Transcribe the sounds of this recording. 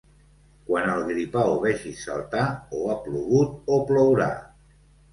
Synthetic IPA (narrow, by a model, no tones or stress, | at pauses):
kwanəlˠɣɾipawoβɛʒisə̰lˠt̪aoapluɣut̪̚oplowɾa̰